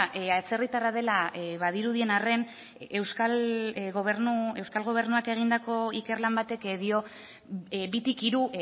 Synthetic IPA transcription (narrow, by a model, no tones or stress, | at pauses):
ʔat͡se̞rit̪aɾað̞e̞laʔβaðiɾuð̞ie̞nare̞n | e̞wskalɣo̞β̞e̞ɾnue̞wskalɣ̞o̞β̞e̞ɾnuake̞ɣ̞ind̪ako̞ike̞rlambat̪e̞kðio̞ | bit̪ikiɾu